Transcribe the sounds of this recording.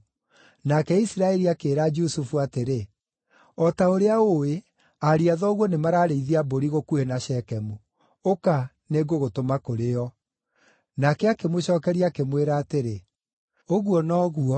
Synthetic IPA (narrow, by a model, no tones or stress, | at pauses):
nakɛisiɾaɛɾiakeːɾad͡ʒusufuateɾe | ɔtaoɾeaowe | aɾiaðɔːɣwɔnemaɾaːɾeiðiaboɾiɣokuenaʃɛkɛmu | oka | neɡoɣotomakoɾeɔ | nakɛakemoɕɔːkɛɾiakemweɾaːteɾe | oɣuɔnɔːɣuɔ